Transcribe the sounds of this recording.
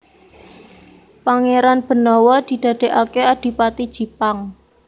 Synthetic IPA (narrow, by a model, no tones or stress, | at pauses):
paŋeɾanb̥ə̤nɔwɔd̪̥i̤d̪̥a̤d̪̥e̤ʔakead̪̥i̤pat̪id̥ʒ̥i̤paŋ